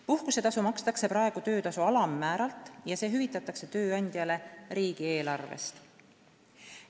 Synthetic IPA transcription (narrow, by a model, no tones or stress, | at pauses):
puhkuse̞t̪ɑsumɑkst̪ɑkse̞pɾɑe̞ɡ̥ut̪ø̞ːt̪ɑsuɑlɑmːæːɾɑlt̪ːˑjɑseːɦyvit̪ːˑɑt̪ːˑɑkse̞t̪ø̞ːɑnʲd̪̥ʲjɑle̞ɾiːɡ̥ie̞ːlɑrvḛst̪